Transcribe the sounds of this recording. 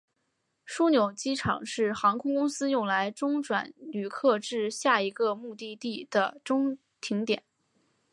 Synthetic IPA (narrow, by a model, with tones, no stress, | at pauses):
ʂu˥njo˨˩ʊt͡ɕi˥ʈ͡ʂʰɑ̰˨˩ŋʂɻ̩˥˩xɑ˧˥ŋkʰʊ˥ŋkʊ˥ŋsɹ̩˥jʊ˥˩ŋla˧˥ɪʈ͡ʂʊ˥ŋʈ͡ʂwa̰˨˩˦nly˨˩kʰɤ˥˧ʈ͡ʂɻ̩˥˧ɕja˥˩i˧˥ɡə˧mu˥˧t̪i˥˧t̪i˥˩d̪̥ə˩ʈ͡ʂʊ˥ŋ | t̪ʰi˧˥ŋt̪jɛ˨˩˦n